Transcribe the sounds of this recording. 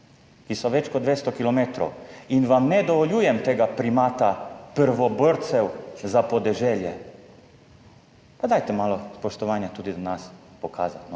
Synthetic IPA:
kisɔʋɛt͡ʃkɔd̪ʋeːst̪ɔkilɔmeːt̪ɾɔ̰winʋamnɛd̪ɔʋɔljuːjɛmt̪eːɡapɾimaːt̪apəɾʋɔbəɾt̪sɛwzapɔd̪ɛʒɛːljɛ | pad̪aːjt̪ɛmaːlɔspɔʃt̪ɔʋaːnjat̪uːd̪id̪ɔnaspɔkʰaːzat̪nɔ

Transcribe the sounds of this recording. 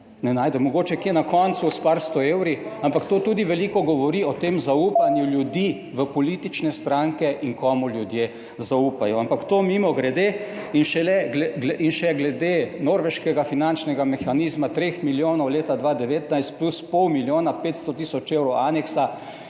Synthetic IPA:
nɛnaːjd̪ɛmɔɡoːt͡ʃɛkjenakɔnt̪suspaɾst̪ɔeːwɾiampakt̪oːt̪uːd̪iʋɛlikɔɡɔʋɔɾiɔt̪emzauːpanjuljud̪i | ʋəpɔliːt̪it͡ʃnɛst̪ɾaŋkɛʔiŋkɔːmuljud̪je | zauːpajɔampakt̪oːmiːmɔɡɾɛd̪eː | inʃɛlɛɡlɛɡlɛʔinʃɛɡlɛd̪enoɾʋɛʃkɛɡafinant͡ʃnɛɡamɛxaniːzmat̪ɾeːxmiljoːnɔwleːt̪ad̪ʋaːd̪ɛʋeːt̪najst̪̚pluspɔwmiljoːnapet̪st̪ɔt̪isɔt͡ʃewɾɔwʔaːnɛksa

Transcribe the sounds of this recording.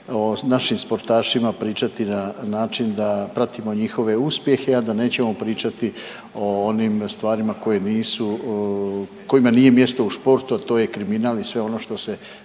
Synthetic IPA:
onaʃimspo̞ɾt̪aːʃimapɾiːt͡ʃat̪inanaːt͡ʃind̪apɾat̪imo̞ɲixo̞ʋe̞uspje̞xe̞ad̪ane̞ːt͡ɕe̞mo̞pɾiːt͡ʃat̪i | o̞onimst̪ʋaːɾimako̞je̞niːsu | ko̞imaniːje̞mje̞st̪o̞uspo̞ɾt̪uat̪o̞ːje̞kɾiminaːlisʋe̞o̞no̞ːʃt̪o̞se̞

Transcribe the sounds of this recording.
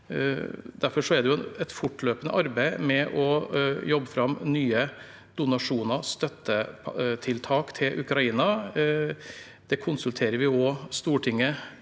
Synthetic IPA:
d̪æɾfɔʂɔæɖ̪ɛjʊɛnɛt̪fʊʈløːpənə̰ʔɑɾbæɪmɛʔɔjɔbːəfɾɑmːnyːə | d̪ʊnɑʂuːnəɾst̪œt̪ːəpt̪ʰɪlt̪ʰɑːkt̪ʰɪlʔʉkɾɑiːnɑ | d̪̥ɛkʰʊnsʉlt̪ʰeːɾəɾʋɪɔst̪uːʈʰɪŋːə

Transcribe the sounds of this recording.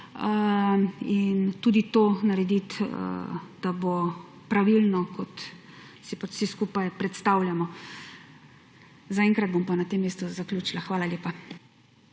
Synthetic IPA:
ə | int̪uːd̪it̪oːnaɾɛd̪it̪ə̰d̪̥abo | pɾaʋilnɔkɔt̪ | sipat͡ʃsɛskuːpajpɾɛt̪st̪aːwljamɔ | zaɛŋkɾad̪̚bompanat̪eːmːeːst̪uzaklʲuːt͡ʃilaxʋaːlalʲeːpa

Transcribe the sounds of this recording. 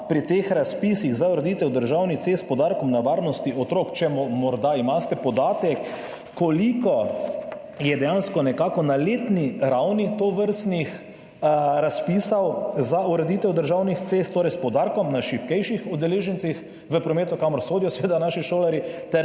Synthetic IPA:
pɾit̪exɾaspisiɣzauɾɛd̪it̪ɛwd̪əɾʒawnit̪sest̪̚pɔd̪aɾkɔmnaʋaɾnɔst̪iɔt̪ɾokt͡ʃɛmɔmɔɾd̪aimast̪ɛpɔd̪aːt̪ɛkː | ɔlikɔ | jɛd̪ɛjanskɔnɛkaːkɔnaleːt̪niɾawnit̪oʋəɾst̪nix | ɾaspiːsawzauɾɛd̪it̪ɛwd̪əɾʒawnixt̪sest̪t̪ːoːɾɛjspɔd̪aɾkɔmnaʃipkɛjʃixɔd̪ɛleːʒənt̪six | ʋəpɾɔmeːt̪ukamɔɾsoːd̪ijɔsʋeːd̪anaʃiʃoːlɛɾit̪ɛɾ

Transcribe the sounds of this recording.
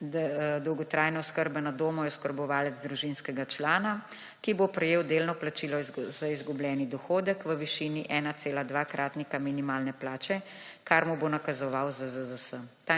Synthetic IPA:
d̪ɔwɡɔt̪ɾaːjnɛɔskəɾbɛnad̪oːmɔjɛɔskəɾbɔʋaːlɛd̪zd̪ɾuʒinskɛɡat͡ʃlaːna | kibopɾɛjeːwd̪eːlnɔplat͡ʃiːlɔzaizɡubljɛːnid̪ɔxoːd̪əkʋəʋiʃiːniʔɛːnat̪seːlad̪ʋaːkɾʔaːt̪nikaminimaːlnɛplaːt͡ʃɛ | kaɾmubonakazɔʋawzəzəzəsət̪a

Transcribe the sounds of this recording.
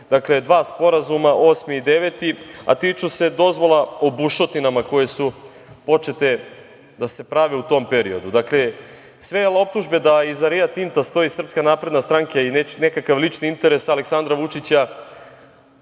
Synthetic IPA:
d̪̥akled̪ʋaːspo̞ɾazumaʔo̞ːsmiːd̪e̞ʋet̪ia̰t̪it͡ʃuse̞d̪o̞zʋo̞lˠaobuʃo̞t̪inamako̞je̞su | po̞t͡ʃe̞t̪e̞ | d̪ase̞pɾaʋeut̪o̞ːmpe̞ɾio̞̰d̪ud̪akle̞ | sʋejelao̞p̚t̪uʒbe̞d̪aizaɾijat̪int̪ast̪o̞isr̩pskanaːpɾed̪nast̪ɾaŋkainenekakaʋlit͡ʃniint̪e̞ɾe̞sale̞ksand̪ɾaʋut͡ʃit͡ɕa

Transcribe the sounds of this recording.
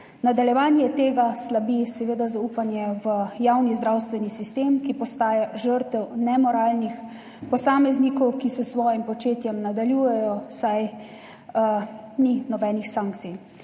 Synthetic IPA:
nad̪aljɛʋaːnjɛt̪eːɡaslabisɛʋeːd̪azauːpanjɛʋəjawnizd̪ɾawst̪ʋɛnisist̪eːmkipɔst̪aːjaʒəɾt̪ɛwnɛmɔɾaːlnix | pɔsaːmɛznikɔwkisɛsʋɔːjimpɔt͡ʃeːt̪jɛmnad̪aljuːjɛjɔsaj | ninɔbɛːnixsaːŋkt̪sij

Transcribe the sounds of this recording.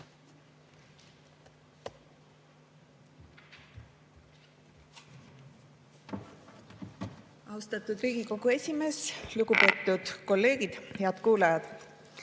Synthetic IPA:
ɑwst̪ɑt̪ːˑud̪riːɡ̥iko̞ɡ̥ue̞sʲime̞ːsluɡ̥upe̞ːt̪ˑːud̪̥ko̞lːe̞ːɡid̪̥heɑd̪̥kuːlɑjɑd̪̥

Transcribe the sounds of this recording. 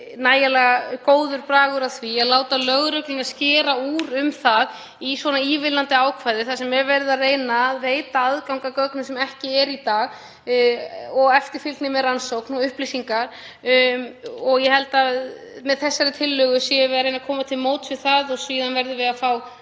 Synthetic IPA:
naːjalɛɣakoːwðʏɾpɾaːɣʏɾaðθviɛɣlaːwt̪alœɣɾœklɪnascɛːɾauːɾʏmθað | isvɔnaiːvɪlant̪ɪaːwkʰvaːjðɪθasɛmːɛvɛɾðɪareːjnaːðvejt̪aaðkawŋkakœknʏsɛmɛhcɪɛɾit̪aːɣ | ɔɣɛft̪ɪɾ̥fɪlk̪nɪmɛðransowknɔʏhplisiŋkaɾ̥ | ɔɣjɛhɛlt̪a | mɛðθɛsːaɾɪt̪ʰɪlːʏɣʏsɛɛvɪaɾejnakʰɔːmat̪ʰɪlmoːwt̪ɪðθaðɔsviːðanvɛɾðɪvɪðafaw

